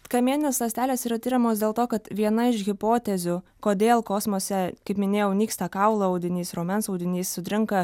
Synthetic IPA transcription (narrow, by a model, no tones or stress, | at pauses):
kɐmʲiɛnʲɪnʲeːslˠɐsʲt̪ʲæːlʲeːsiːɾɐt̪ʲiːɾʲɛmoːs̬d̪ʲeːlˠt̪oːkɐt̪ʋʲiɛnɐɪʃɣʲɪpoːt̪ʲɛzʲʊkoːd̪ʲeːlˠkoːsmoːsʲɛkɐɪpmʲɪnʲeːjɛʊnʲiːkst̪ɐkɐʊlˠɐɐʊd̪ʲɪnʲiːsɾoːmʲɛnsɐʊd̪ʲɪnʲiːssʊt̪ʲɾʲɪŋkɐ